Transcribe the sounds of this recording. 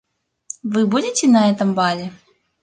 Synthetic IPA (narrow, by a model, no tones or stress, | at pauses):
vɨbudʲɪtʲɪnɐɛt̪əmbalʲɪ